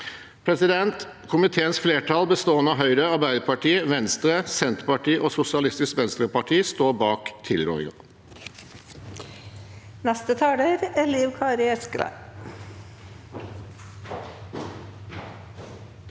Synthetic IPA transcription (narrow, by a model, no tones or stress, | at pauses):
pʰɾɛsɪd̪ɛnt̪ | kʰʊmɪt̪ʰeːənsfleːʈʰɑlbəst̪oːənɑɦœʏɾəɑɾbæɪd̪əpʰɑʈʰiːəʋɛnst̪ɾəsɛnt̪əɾpɑʈʰiːʔoːsʊsɪɑlɪst̪ɪsk̪ʋɛnst̪ɾəpɑʈʰiːst̪oːbɑːkt̪ʰɪlɾɔ̰ːɪ̰ŋɑ̰ | nɛst̪ət̪ʰɑːɖeɾɛliːʊkʰɑːɾɪɛskɾæ̰